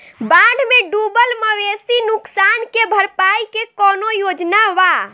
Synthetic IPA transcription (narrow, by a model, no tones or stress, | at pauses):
baɖ̪ʱmeɖubəlməʋesinuksankebʱəɾpaikekɔnojod͡ʒnaʋa